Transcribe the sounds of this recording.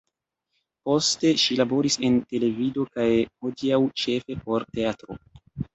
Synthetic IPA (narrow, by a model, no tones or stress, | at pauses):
po̞ste̞ʃilabo̞ɾise̞nte̞le̞vido̞kajhodiawt͡ʃe̞fe̞po̞ɾte̞atɾo̞̰